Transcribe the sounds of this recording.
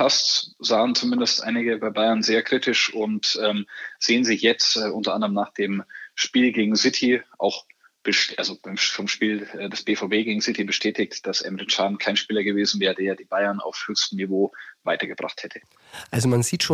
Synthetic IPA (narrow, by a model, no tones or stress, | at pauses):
fastz̥aːənt͡sumɪndəstʔa̰ɪnɪɡəbaɪbaɪɐnzeːɐkʁ̥iːtɪʃʊntʔɛːmz̥eːənzɪçjɛt͡stʔɛːʔʊntɐʔandəʁəmnaːχd̥eːmʃpiːlɡeːɡŋ̩sɪtʰiʔa̰ʊx | b̥əʃʔalzob̥aɪmʃfɔmʃpiːlʔɛːdɛsb̥eːfaʊbeːɡeːɡŋ̩sɪtʰibəʃtʰɛːtɪçtd̥asʔɛ̰mʁɪnt͡ʃankʰaɪnʃpiːlɐɡəveːzn̩vɛːʁədeːjaːdiːbaɪɐna̰ʊfhøːçstm̩nivoːvaɪtɐɡəb̥ʁa̰χthɛtʰə | ʔalzomanziːtʃoː